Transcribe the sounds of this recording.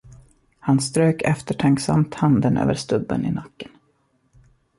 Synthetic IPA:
hanst̪ɾøːkʰɛft̪əʈʰaŋksa̰mt̪hand̪ənø̰ːvəɾʂt̪ɵbːə̰nɪnakːən

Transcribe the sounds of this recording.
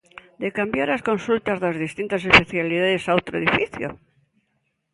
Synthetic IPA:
d̪ekambjaɾaskõnsult̪azðazðist̪int̪asespeθjaliðaðesaowt̪ɾoeðifiθjo̰

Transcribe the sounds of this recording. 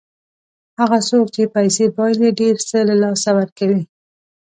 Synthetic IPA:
haɣasok̚t͡ʃepajsebɑjljeɖeɾsəlalɑsawaɾkawi

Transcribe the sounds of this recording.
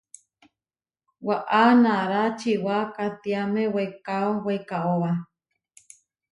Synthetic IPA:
waʔanaɾat͡ʃiwakat̪iamẽwekaowekaʔowa

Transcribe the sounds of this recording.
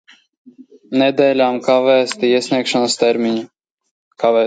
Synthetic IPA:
nɛd̪ɛːlʲaːmkavæːst̪iiɛsʲnʲiɛkʃanɐst̪ɛɾmʲiɲu | kavɛː

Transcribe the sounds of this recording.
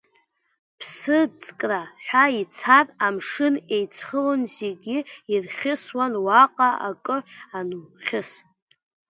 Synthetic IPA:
pʰsɨt͡sʼkʼraħʷᶣait͡sʰaramʂɨne̞jt͡sʰχəlɨnzeɡʲɪirχʲɪswanwaqʼaa̰kʼɨanuχʲɪs

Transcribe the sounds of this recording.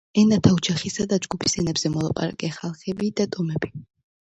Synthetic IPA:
ɛnat̪ʰaud͡ʒʰaχisad̪ad͡ʒɡupʰi̥sɛnɛbzɛmɔlˠa̰pʼa̰ɾa̰kʼɛχalˠχɛbid̪at̪ʼɔmɛbi

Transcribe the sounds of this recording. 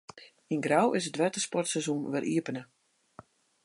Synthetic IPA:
inɡrawɪsədʋɛtəspɔrtsɛzunʋərʔiəpənə

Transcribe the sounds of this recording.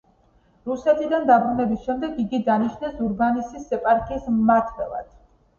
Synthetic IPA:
ɾusɛt̪ʰʼid̪and̪abɾunɛbisʃɛmd̪ɛɡiɡid̪aniʃnɛsuɾbanisisːɛpʼaɾkʰʼiːsmmat̪ʰvɛ̰lˠa̰d̪̥

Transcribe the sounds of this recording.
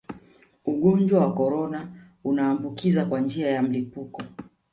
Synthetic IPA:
uɠɔnd͡ʒwawakɔɾɔna | unaːmbukizakwand͡ʒiajam̩lipukɔ

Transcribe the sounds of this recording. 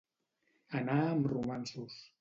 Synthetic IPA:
ənaəmrumansus

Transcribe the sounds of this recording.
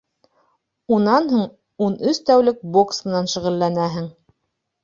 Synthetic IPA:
unɑnɦuɴ | unɵst̪æwlɘk̚boksmɤ̆nɑnʃŭʁɘ̆lːænæɦɘŋ

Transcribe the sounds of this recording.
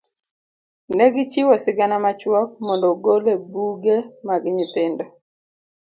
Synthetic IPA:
nɛɡɪt͡ʃiwɔsɪɡanamat͡ʃwɔk̚mɔndɔɡolebuɡemaɡɲɪt̪ɪndɔ

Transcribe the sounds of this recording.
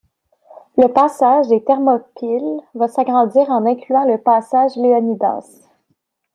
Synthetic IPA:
ləpaːsaːʒd̪et̪ɛʁmɔpɪlvasaɡʁɑ̃d͡zziːʁɑ̃nɛ̃klyɑ̃ləpaːsaːʒleɔnid̪a̰ːs

